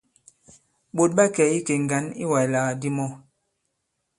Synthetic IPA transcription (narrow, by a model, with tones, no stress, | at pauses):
ɓo˨t̚ɓa˦kɛ˨i˦ke˨ŋ˨ɡa˨˦nḭ˦wa˨jla˨ɣa˨di˦mɔ˦